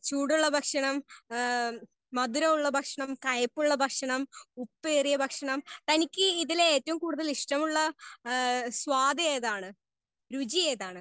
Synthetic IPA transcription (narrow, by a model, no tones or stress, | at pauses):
t͡ɕuːɽuɭːɐbʱɐkʂɐɳɐm | ɐd̪uɾɐmuɭːɐbʱɐkʂɐɳɐmkɐjɐpːuɭːɐbʱɐkʂɐɳɐmupːerijɐbʱɐkʂɐɳɐmt̪ɐnikʲːɨiðileeːtːɐʋumkuːɽuðɐliʂʈɐmuɭːɐ | swaːd̪ɐjeːðaːɳɨ | ɾud͡ʑijeːðaːɳɨ